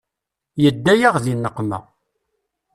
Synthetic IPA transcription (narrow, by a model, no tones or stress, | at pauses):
jəd̪ːæjaʁðinːəqːmæ̰